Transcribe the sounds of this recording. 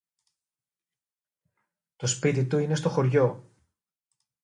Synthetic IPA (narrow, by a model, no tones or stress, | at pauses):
t̪ospit̪it̪uine̞st̪o̞xo̞ɾʝo̞